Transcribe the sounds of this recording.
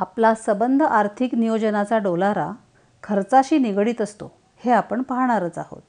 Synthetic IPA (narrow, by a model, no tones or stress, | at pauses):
aplasəbənd̪ʱəʔaɾt̪ʰiknijod͡ʑənat͡saɖolaɾa̰ | kʰəɾt͡saɕiːniɡɽiːt̪əst̪o | heapəɳpəɦɽ̃aɾət͡saɦo̰t̪